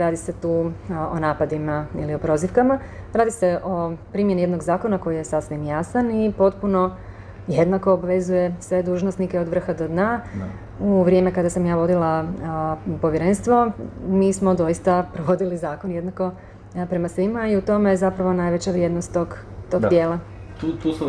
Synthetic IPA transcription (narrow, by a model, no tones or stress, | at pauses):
ɾaːd̪ise̞t̪uːonaːpad̪imaḭlio̞pɾo̞ːziʋkamaɾaːd̪ise̞ʔo̞pɾiːmje̞nie̞d̪no̞ɡzaːko̞nako̞jijesasʋimjasanipo̞t̪puno̞ | jed̪nako̞ːbʋe̞zuje̞sʋe̞d̪uːʒnost̪nikeod̪ʋr̩xad̪o̞d̪na | uʋɾje̞me̞kad̪asamjaːʋo̞d̪ilˠa | po̞ʋjeɾe̞nst̪ʋo̞miːsmo̞d̪o̞jist̪apɾoʋo̞d̪ilizaːko̞nje̞d̪nako̞ | pɾe̞masʋimaiut̪o̞mezapɾaʋo̞naːjʋe̞t͡ɕaʋɾje̞d̪nost̪ːoɡ | t̪oɡd̪jeːlˠa | t̪u